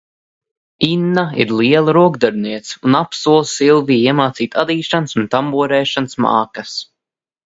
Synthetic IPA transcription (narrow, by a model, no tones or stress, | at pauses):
inːaḭɾliɛlˠaɾuɔɡd̪aɾniɛt̪sunapsuɔlˠssilˠviːiɛmaːt̪siːt̪ad̪iːʃansunt̪ambuɔɾɛːʃansma̰ːkas